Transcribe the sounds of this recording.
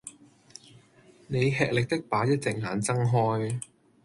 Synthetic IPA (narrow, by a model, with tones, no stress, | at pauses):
ne˨˧jɦɛː˨k̚lɪ˨k̚t̪ɪ˥k̚paː˨˥jɐ˥t̚t͡sɪ˨k̚ŋaː˨˧nt͡sɐ˥ŋɦɔː˥j